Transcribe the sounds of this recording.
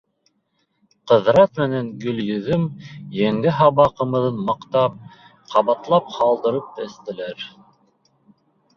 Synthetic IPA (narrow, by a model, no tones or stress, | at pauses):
qɤ̆ðɾɑt̪mɘ̆næŋɡɵ̆ljɵ̆ðɵmjæŋɡɘɦɑβɑqɤ̆mɤ̆ðɤnmɑqt̪ɑp̚ | qʰɑβɑt̪lˠɑp̚hɑlˠd̪ɤ̆ɾɤp̚b̪æθt̪ɘ̆læɾ